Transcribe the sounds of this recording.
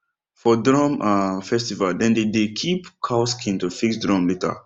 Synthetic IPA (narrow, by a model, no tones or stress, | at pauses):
fɔdɹɔ̃mafɛstivaldɛ̃ndedekʰipkʰaʊskʰĩntufiksdɹɔ̃mlita̰